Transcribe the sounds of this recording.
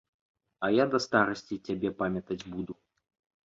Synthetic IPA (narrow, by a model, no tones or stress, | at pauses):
ɐjad̪ɐst̪aɾɐsʲt͡sʲit͡sʲabʲɛpamʲɐt̪ɐd͡zʲbud̪u